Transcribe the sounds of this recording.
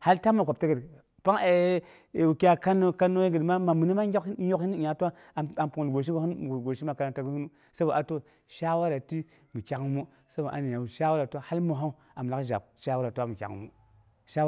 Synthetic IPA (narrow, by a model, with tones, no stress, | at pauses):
ha˦lta˦mːa˨kʷa˨p̚ta˦ɡə˨d | pa˦ŋe˨ | wu˨ki˦a˨ka˦nːo˦ka˦nːo˦je˦ɡə˨dma˦ma˨mi˨ni˦ma˦ɲo˦khi˦n˦i˨a˨tu˦a˦˨ | a˨mpu˨lɡo˨ʃ̬i˦ɡu˦n˦˨ɡo˨ʃi˦ma˨ka˨na˨ta˨ɡi˦hu˦nu˦ | sa˦ba˨ʔa˨to˦ | ʃa˦wa˦ɾa˨ti˦ | mi˨kʲa˨kmu˦ | sa˦ba˨ʔa̰˨ni˨a˨u˨ʃa˦wa˦ɾa˨tu˦a˦ha˦lmu˨ɦa˦u˦ | a˨m˨la˦kʒa̰˨p̚ | ʃa˦wa˦ɾa˨tu˦wa˦mi˨kʲa̰˨kmu˦ | ʃa˦